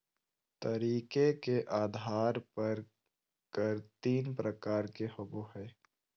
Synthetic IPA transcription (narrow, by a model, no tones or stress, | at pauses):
t̪əɾiːkekeʔaːd̪ʱaːɾpɐɾ | kəɾt̪iːnpɾəkaːɾkexʊboɦɛː